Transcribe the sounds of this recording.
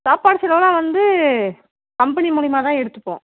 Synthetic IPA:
saːpaːɽɯsɪlɐlãːʋɐnd̪ɯ | kɐmpɐnimʊɭɪmaːt̪ãːɛɽɯt̪ːɯpːõ̰ː

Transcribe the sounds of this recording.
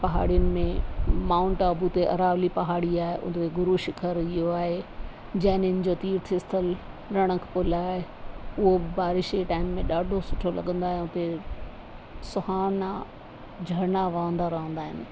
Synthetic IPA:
pɐɦa̰ːɽijʊnɪ̆mẽmãːʊ̃ɳʈabʊt̪eʔɐɾaːʋlipɐɦaːɽiaːɦeʔʊ̰t̪eɡʊɾuːʃɪkʰəɾɪɦoaːɦe | d͡ʑɐ̃ɦɪnɪnɪ̆d͡ʑot̪iːɾt̪ʰɪɪst̪ʰəl | ɾɐɽ̃ə̃kʰpʊlaːɦeʊɦobɪbaːɾɪʃeʈaːɪmːẽɗaːɖʱosʊʈʰolɐ̰ɠə̃nd̪aːɦẽʊt̪e | sʊhaːna | d͡ʑʱɐɾnaʋɐːə̃nd̪aɾɐɦə̃nd̪aːɦɪnɪ̆

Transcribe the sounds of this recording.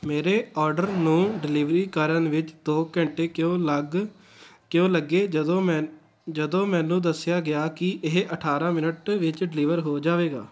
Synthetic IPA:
meːɾeːɔːɾɖəɾnũːɖɪliːʋɾiːkəɾənʋɪt͡ʃd̪oːkɛ̃ɳʈeːkjõːləɡ | kjõːləɡːeːd̪õː | d͡ʒəd̪õːmɛ̃ːnũːd̪əsːɪjaːɡɪjaːkɪʔɪɦəʈʰaːɾãːmɪnəʈʋɪt͡ʃɖɪlɪːʋəɾɦoːd͡ʒaːʋeːɡa̰ː

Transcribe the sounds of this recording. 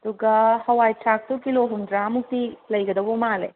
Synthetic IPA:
ɐd̪uɡɐhɐwajtʰɾak̚tukiloɦumdɾamuk̚t̪ilɐjɡɐd̪ɐbumale

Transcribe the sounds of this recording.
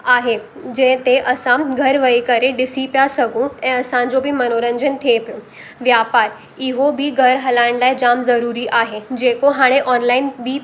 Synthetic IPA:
aɦe | d͡ʑẽt̪eʔəsãɡʱəɾʋəikəɾeɖisipjasəɡũẽəsãd͡zobʱiːmənoɾəɲd͡ʑənt̪ʰepjõ | ʋjapaɾ | iɦobʱiːɡʱəɾɦəlãɳlajd͡ʑamzəɾuɾiʔaɦed͡ʑekoɦaɽ̃eʔɔnlainbʱiː

